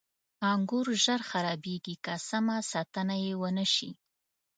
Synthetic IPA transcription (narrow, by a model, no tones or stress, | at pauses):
ɑŋɡuɾʒəɾxaɾɑbeɡikasamasɑt̪ənajewənəʃi